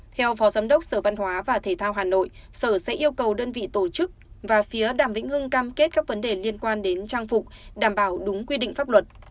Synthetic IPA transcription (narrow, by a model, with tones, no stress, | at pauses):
t̪ʰɛ˧wfɔ˨˦zaː˨˦mɗə˦˥wk͡p̚səː˧˩va˧nhwaː˨˦vaː˨˩t̪ʰe˧˩t̪ʰaː˧wɦaː˨˩no̰˧˨j | səː˧˩sɛ̰˧˥ʔi˧əwkə˨˩wɗəː˧nvḭ˧˨t̪o˧˩t͡ɕɨ˦˥k̚vaː˨˩fi˨˦əɗaː˧˩mvḭ˧˥ŋ̟hɨ˧ŋkaː˧mke˦˥t̚kaː˦˥k̚və˨˦nɗe˨˩li˧ənkwaː˧nɗe˨˦nt͡ɕaː˧ŋfʊ˨˩k͡p̚ɗaː˧˩mɓaː˧˩wɗʊ˨˦ŋ͡mkwi˧ɗḭ˧˨ŋ̟faː˦˥p̚lwə˨˩t̚